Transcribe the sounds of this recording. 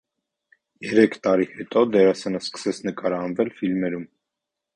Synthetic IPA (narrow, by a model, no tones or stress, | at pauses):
jɛɾɛkʰt̪ɑɾihɛt̪ʼɔd̪ɛɾɑsɛnəskə̥sɛt͡sʰnəkɑɾɑɑnvɛlfilmɛɾum